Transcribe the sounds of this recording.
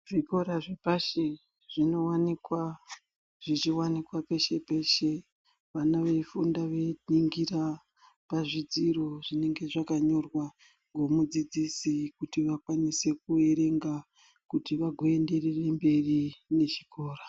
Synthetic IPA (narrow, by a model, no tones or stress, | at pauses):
ʐiko̞ɾaʐepaʃe | ʐ̥ino̞wanikwa | ʐ̥it͡ʃiwanikwape̞ʃe̞pe̞ʃe̞ | ʋanaʋe̞fundaʋe̞niŋɡira | paʐid͡ziro̞ʐine̞ŋɡe̞ʐakaɲo̞rwa | ɡwo̞mud͡zid͡zisikutiʋakwanise̞k̚ue̞ɾe̞ŋɡa | kutiʋaɡʱo̞e̞nde̞rere̞mbe̞rine̞ʃikʰo̞ːra